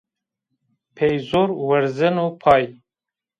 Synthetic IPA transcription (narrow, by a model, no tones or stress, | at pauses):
pʰejzoːɾwɛɾzɨnuːpʰɑːj